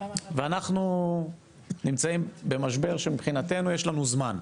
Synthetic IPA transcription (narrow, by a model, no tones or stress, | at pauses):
veanaχnu | nimt͡saimbe̞maʃ̬be̞ʁʃemibχinat̪e̞nujeʃlanuzman